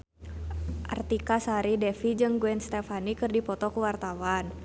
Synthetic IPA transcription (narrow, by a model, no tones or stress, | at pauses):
ʔa̰rt̪ikasaɾidɛfid͡ʒɨŋɡuɛnst̪ɛfanikɨrdipɔt̪ɔkuwart̪awan